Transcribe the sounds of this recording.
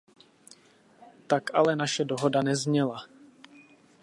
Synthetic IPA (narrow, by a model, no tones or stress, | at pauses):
t̪akʔalɛnaʃɛdoɦodanɛzɲɛla